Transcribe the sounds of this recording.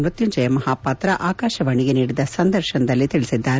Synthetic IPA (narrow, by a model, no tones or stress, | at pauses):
nɾut̪juɲd͡ʒɐjɐmɐɦaːpɐt̪ɾɐʔʔaːkaːʃɐʋɐɳiɡeniːɽid̪ɐsɐnd̪ʱɐɾʃɐnɐd̪ɐlːit̪iɭisid̪ːaːɾ